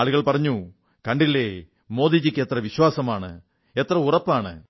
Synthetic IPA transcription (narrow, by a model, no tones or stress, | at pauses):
aːɭuɣɐɭpɐrɐɲːu | kɐɳɖilːe | mo̞ːd̪id͡ʑikʲːet̪rɐʋiɕwaːsɐmaːɳɨ̰ | et̪rɐurɐpːaːɳɨ̰